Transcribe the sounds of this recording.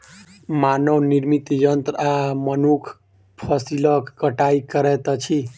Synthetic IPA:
manəwniɾmit̪jənt̪ɾamənukʰ | pʰəsiləkkːəʈaikəɾɛt̪t͡ʃʰi

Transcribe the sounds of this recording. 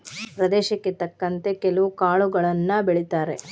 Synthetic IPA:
pɾɐd̪ɛːʃɐkːet̪ɐkːɐnt̪e̞kɛlɐʋukaːɭuɡɐɭɐnːɐbeɭit̪aːɾe̞

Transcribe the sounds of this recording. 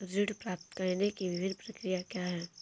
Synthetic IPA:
ɾɪɖpɾaːp̚t̪kəɾnekiʋɪbʱɪnpɾɐkɾijakjaːɦɛː

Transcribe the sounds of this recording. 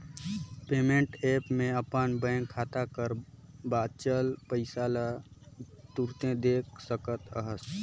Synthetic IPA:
peːmẽɳʈeːpmẽəpənbə̃ːŋkʰːaːt̪akəɾbaːd̪t͡ʃəlpəɪsaːla | t̪uɾt̪ẽd̪eːksəkət̪ə̰ɦəs

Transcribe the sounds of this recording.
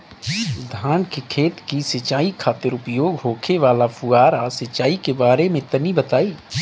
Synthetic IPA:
d̪ʱaːnkekʰeːt̪kisɐt͡ʃaːikʰaːt̪əɾʊpjoːɡɦoːkʰeʋaːlapʰuaːɾasɪt͡ʃaːikebaːɾemẽt̪ənibət̪aːiː

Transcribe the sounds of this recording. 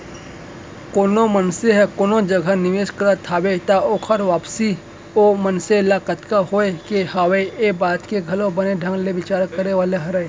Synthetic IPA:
koːnomɐnseɦɛkoːnod͡ʒɐɡʱanɪʋeːʃkɐɾat̪ʰaːbet̪aoːkʰɐɾʋaːpsi | omɐnselaːkət̪kaɦoːekehaːweebaːt̪keɡʱɐlobɐneɖʱɐ̃ŋɡleʋɪt͡ʃaːɾkəɾeʋaːleɦɐɾae

